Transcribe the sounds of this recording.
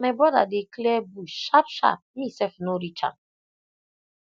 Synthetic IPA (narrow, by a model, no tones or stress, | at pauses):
mebɔda̰deklɛbuʃapʃa̰p̚misɛfnoɾit͡ʃa̰